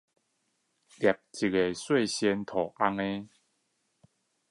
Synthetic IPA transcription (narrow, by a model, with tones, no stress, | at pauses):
lja˨˩p̚t͡ɕi˨˩ke˨swe˥˧ɕjɛ˧nt̪ʰɔ˨˩ʔa˧˦ŋe˦